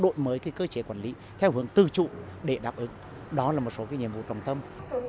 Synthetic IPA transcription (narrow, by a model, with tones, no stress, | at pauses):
ɗo̰˧˨jməː˨˦jkaː˨˦jkəː˧t͡ɕe˨˦kwaː˧˩nli˨˦ | t̪ʰɛ˧whɨ˨˦əŋt̪ɨ˨˩t͡ɕṵ˧˨ɗe˧˩ɗaː˨˩p̚ʔɨ˨˦ŋ | ɗɔ˨˦laː˨˩mo˨˩t̚so˨˦kaː˨˦jɲi˨˩əmvṵ˧˨t͡ɕa˨˩wŋ͡mt̪ə˧m